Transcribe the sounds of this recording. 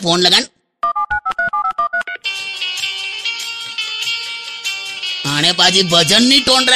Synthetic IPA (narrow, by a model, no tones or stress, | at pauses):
poɳləɡaɳ | aɽ̃epad͡ʑibʱəd͡zənːiʈoɳɖɾa